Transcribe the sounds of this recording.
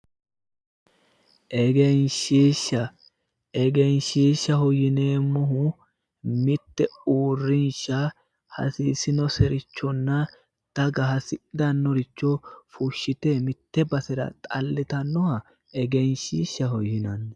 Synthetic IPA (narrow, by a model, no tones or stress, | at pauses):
ʔɛɡɛnʃiːʃːɐ | ɛɡɛnʃiːʃːɐhɔjɪneːmɔɦʊ | mɪt̪ːɛuːrːɪnʃɐ | hɐ̰siːsɪnɔsɛɾɪt͡ʃːɔnːɐ | d̪̥ɐɡɐɦɐsɪd̪ɐnːɔɾɪt͡ʃːɔfʊʃːɪt̪eːmɪt̪ːɛbɐsɛɾɐ̰t̪ʼɐlːɛt̪ɐnːɔhɐ | ɛɡɛnʃiːʃːɐhɔjːɪnɐnː